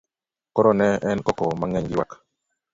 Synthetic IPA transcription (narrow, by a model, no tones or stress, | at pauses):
kɔɾɔnɛʔɛnkɔkɔmaŋɛɲɡɪwa̰k